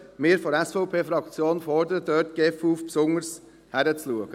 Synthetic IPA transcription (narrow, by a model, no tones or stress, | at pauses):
mɪːɾfɔɾɛsfɔʊpʰeːfɾɑkt͡sjoːnfɔɾdəɾədœːtɡ̥ɛfuːfpsʊŋəɾs | hæɾət͡sluəɡ̥ə